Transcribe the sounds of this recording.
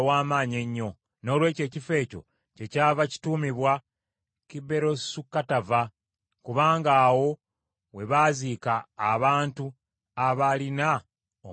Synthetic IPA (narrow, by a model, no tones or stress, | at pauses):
waːmaːɲe̞ɲːo̞ | no̞ːlwe̞ːce̞ːcife̞ːco̞̰ | ce̞caːvaci̥tuːmiβwa | kibe̞ɾo̞sukːatava | kuβaːŋɡaːwo̞ | we̞βaːzikaːβaːntu | aβalina | o